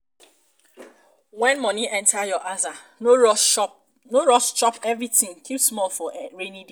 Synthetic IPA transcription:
wɛ̃nmɔ̃niʔɛ̃ntʰajɔʔaza | n | noɹɔst͡ʃɔpɛvɹitĩŋkʰipsmɔlfɔɹenĩdi

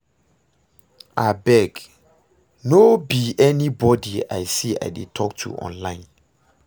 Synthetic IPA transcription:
abɛɡ | nobiʔɛnibɔdia̰ɪsia̰jdetʰɔktʰṵʔɔ̰̃nlãɪ̃n

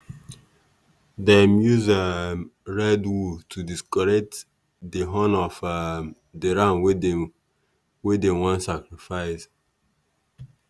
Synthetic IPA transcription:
dɛmjuza | ɹɛdwutʰudiskɔɹɛk̚t | deɦɔ̃nɔf | deɹãnw | wedɛ̃wɔ̃nsakɹifaɪs

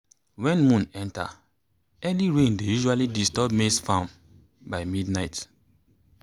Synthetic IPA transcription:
wɛ̃nmũnɛ̃nta̰ | ɛliɹẽndejuʒualidistɔb̚mesfãm | baɪmidnaɪt

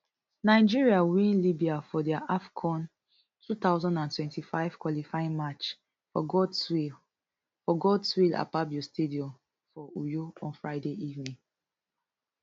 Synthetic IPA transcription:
naɪd͡ʒiɹiawĩnlibiafɔdiaʔafkʰɔ̃n | tʰut̪aʊzɔ̃ndãntwɛ̃ntʰifaɪv̥kwɔlifaɪĩnmat͡ʃ | fɔ̰ɡɔdswi | fɔɡɔdswila̰pabjostediɔ̃m | fɔujoɔ̃nfɹaɪdeʔivnĩŋ

